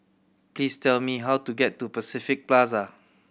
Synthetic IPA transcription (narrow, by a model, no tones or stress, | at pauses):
plistɛlmiɦawtuɡɛtːupəsifɪk̚plas̬a